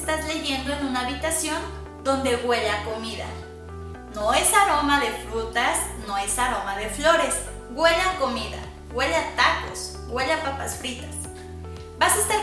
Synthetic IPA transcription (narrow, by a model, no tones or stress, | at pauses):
st̪azle̞ʝe̞nd̪o̞enũnaːβit̪asjo̞n | d̪o̞nd̪e̞ɣwe̞ʎako̞miða̰ | noe̞saɾo̞maðe̞fɾut̪asno̞e̞saɾo̞maðe̞flo̞ɾe̞s | ɡwe̞ʎakomiða̰ | ɡwe̞ʎat̪ako̰s | ɡweʎapapasfɾit̪ḁs | basast̪a